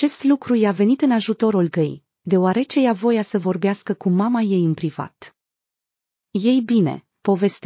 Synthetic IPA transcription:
t͡ʃe̞st̪lukɾujeave̞nit̪ɨnaʒut̪o̞ɾulɡəj | d̪e̞oaɾe̞t͡ʃe̞javo̞jasəvo̞rbeaskəkumamaje̞jɨnpɾiva̰t̪ | je̞jbine̞̰ | po̞ve̞st̪

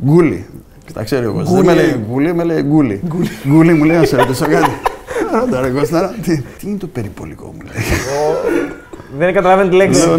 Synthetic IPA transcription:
ɡulḭ | ci̥t̪ɐ̰kseɾioɣosmeleɡulimeleɡuliɡɡulimulejnɐseɾot̪isokɐt̪iɐnɐd̪ɐɾeɣosenɐt̪it̪iinet̪opeɾipo̞̰liko̞̰mulejo | ðenɡɐt̪ɐlɐvent̪ileks

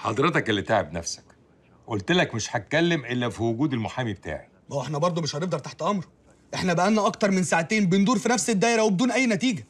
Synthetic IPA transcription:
ħɑ̰d̪ˤɾet̪ɑkʔelːit̪aʕebnæ̰fsæ̥k | ʔolt̪elækmeʃħæt̪̚kːælːemʔelːæfiwoɡuːd̪elmoħaːmibet̪a̰ːʕi | ʔoweħnæbɑɾˤd̪ˤomeʃhæneɡ̚d̪ɑɾˤt̪aħt̪ʔɑmɾ | ʔeħnæbæʔænːæʔɑk̚t̪ɑɾˤmensaʕæt̪eːnbend̪uːɾfinæfsed̪ːæːʔeɾæwebed̪uːnʔæjːnæt̪iːɡæ

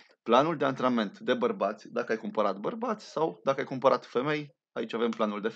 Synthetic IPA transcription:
planuld̪e̞ant̪ɾame̞nt̪d̪e̞bərbat̪sʲd̪akəajkumpəɾat̪bərbat̪sʲsawd̪akəajkumpəɾat̪fe̞me̞j | ait͡ʃʲave̞mplanuld̪e̞

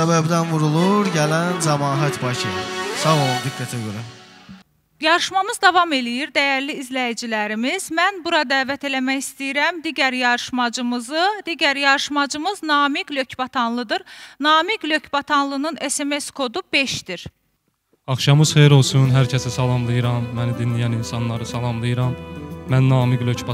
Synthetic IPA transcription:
sæbæbd̪ænvuɾulˠuɾɟælænzɑmɑːɦɑt̪bɑcʰɯsɑvolˠunɡiɡ̪ːæt̪ʰiɡøɾæ | jɑɾɯʃmɑmɯzd̪ɑvɑme̞lijiɾd̪æjæɾliːzlæjid͡ʒilæɾimiz̥mænbuɾɑd̪æːvæt̪ʰe̞læmæçist̪ijiɾæmd̪iːɟæɾjɑɾɯʃmɑd͡ʒɯmɯzɯd̪iːɟæɾjɑɾɯʃmɑd͡ʒɯmɯznɑːmiɡlø̞cbɑt̪ʰɑnlˠɯd̪ɯɾnɑːmiɡløcʰbɑt̪ʰɑnlˠɯnɯne̞seme̞skʰo̞d̪ub̥e̞ʃd̪̥iɾ | ɑχʃɑmɯz̥χejɾo̞lˠsunɦæɾcʰæsisɑlˠɑmlˠɯjɯɾɑmːænid̪inlijæninsɑnlˠɑɾɯsɑlˠɑmlˠɯjɯɾɑmːænːɑːmiɡlʲøcbɑ

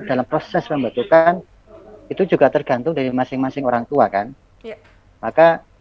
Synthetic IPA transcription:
d̥alampɾosɛspəmbat̪ukan | it̪ud͡ʒuɡat̪ərɡ̥a̤nt̪ʊŋdaɾimasɪŋmasɪŋoɾaŋt̪uakan | maka

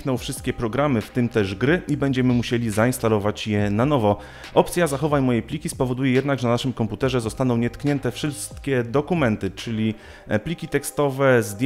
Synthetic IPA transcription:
knɔ̃wfʂɘst̪̚kʲɛpɾɔɡɾamɘft̪ɘmt̪ɛʐɡɾɘibɛɲd͡ʑɛmɘmuɕelʲizaĩnst̪alɔvat͡ɕjɛnanɔvɔ | ʔɔpt̪sʲjazaxɔvajmɔjɛjplʲikʲispɔvɔd̪ujɛjɛd̪naɡʐɛnnaʂɘmkɔmput̪ɛʐɛzɔst̪anɔ̃w̃ɲɛt̪kɲɛnt̪ɛfʂɘst̪kʲɛd̪ɔkumɛnt̪ɘt͡ʂɘlʲi | plʲikʲit̪ɛkst̪ɔvɛzd̪ʲ

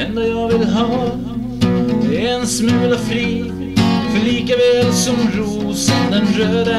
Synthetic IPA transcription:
ɛnd̪ajɑːɡvɪlɦɑː | d̪ɛæɾɛnsmʉ̟ːlafɾiː | fœɭiːkavɛːlsɔmɾuː | sand̪ɛnɾøːd̪a

